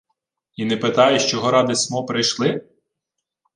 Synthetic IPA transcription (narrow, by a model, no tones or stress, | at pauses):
inɛpɪt̪ɑjʊʃt͡ʃɔɦɔɾɑd̪ɪsmɔpɾɪjʃlˠɪ